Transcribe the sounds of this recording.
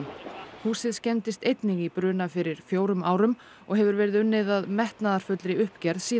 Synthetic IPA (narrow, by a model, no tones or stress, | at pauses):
huːsɪðscɛnt̪ɪst̪ejt̪nɪɣipɾʏːnafɪɾɪɾ̥fjoːwɾʏma̰ːwɾʏm | ɔɣɦɛvʏɾvɛːɾɪðʏnːɪðaðmɛht̪naðaɾ̥fʏt̪lɾɪʏhpcɛɾðsiː